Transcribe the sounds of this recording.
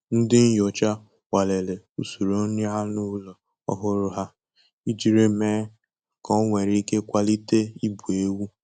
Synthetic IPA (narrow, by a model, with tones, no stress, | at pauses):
n̩˦dɪ˦n̩˦jɔ˨t͡ʃa˦ | wa˨le˨le˨ | u˦su˨ɾo˦ni˦ɦa˦nu˦lɔ˨ | ɔ̰˦ɦʊ˦ɾʊ˦ɦa˦ | i˦d͡ʒi˦ɾe˦meː˦ | kɔ˦ŋʷe˨ɾi˨˦i˦ke˦kʷa˦li˦te˦i˦bu˨e˦wu˦